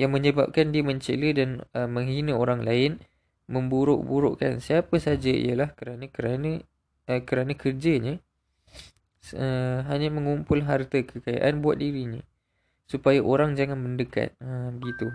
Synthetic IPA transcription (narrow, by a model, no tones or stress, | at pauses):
jaŋmə̃ɲəba̰p̚kandiəmə̃ɲt͡ʃələdanəmə̃ŋɦinaoɾaŋlaɪn | mə̃mbuɾʊ̰ʔbuɾo̰ʔka̰nsiapəsad͡ʒaḭjəlahkəɾanãkəɾana | kəɾanãkərd͡ʒaɲə | səɦaɲamə̃ŋumpʊlɦart̪akəkaja̰ʔanbuat̪̚diɾiɲə̰̃ | supajaʔoɾaŋd͡ʒaŋanməndəka̰t̪̚əmbəɡit̪u